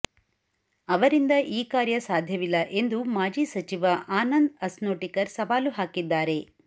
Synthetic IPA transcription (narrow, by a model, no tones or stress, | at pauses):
ɐʋɐɾind̪ɐʔiːkaːɾjɐsaːd̪ʱjɐʋilːɐʔe̞nd̪umaːd͡ʒiːsɐt͡ʃiʋɐaːnɐnd̪ɐsnoːʈikɐɾsɐʋaːluɦaːkid̪ːaːɾe̞